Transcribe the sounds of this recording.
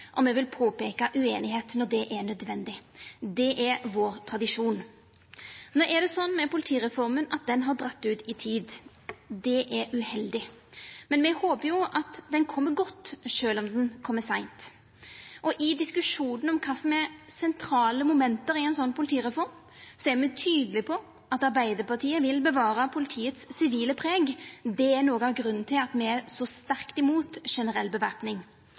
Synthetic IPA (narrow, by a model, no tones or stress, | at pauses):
ʔɔmɛʋɪlpʰoːpeːkɑʔʉeːnɪɦeːt̪nɔd̪ɛʔɛɾnœd̪ʋɛnd̪ɪd̪ɛʔɛɾʋoːɾt̪ʰɾɑd̪ɪʂuːn | noːʔɛd̪ɛsɔnːmɛpʊlɪt̪ʰiːɾɛfɔɾmənɑt̪̚d̪ɛnɦɑɾd̪ɾɑt̪ːʉːt̪ɪt̪ʰiːd̪ | d̪ɛʔɛɾʉhɛld̪ɪmɛnmɛhoːpəɾjʊʔɑt̪d̪ɛnkʰɔmːəɡɔt̪ːʃøːlɔmd̪ɛnkʰɔmːəsæɪnt̪ | ʔɔʔɪd̪ɪskʉʂuːnn̩ɔmkʰɑːsɔmɛɾsɛnt̪ʰɾɑːləmʊmɛnt̪əɾɪɛɪnsɔnːpʰʊlɪt̪ʰiːɾɛfɔɾm | sɔæmɛt̪ʰyːd̪əlɪpʰɔ | ʔɑt̪ɑɾbæɪd̪əɾpɑt̪ʰiːəʋɪlbəʋɑːɾɑpʰʊlɪt̪ʰiːət̪sːɪʋiːləpʰɾeːɡd̪ɛæɾnoːɡəɑʋɡɾʉnn̩t̪ʰɪlɑt̪mɛæsɔst̪æɾkt̪ɪmuːt̪ʂɛnəɾɛlbəʋæɾpnɪŋ